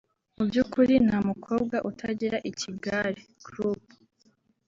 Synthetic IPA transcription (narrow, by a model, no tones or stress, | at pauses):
mubjukuɾin̥hamukʰo̞ːb̚ɡwaʔutʰaɟiɾaʔiciɡaɾi | ɡɾup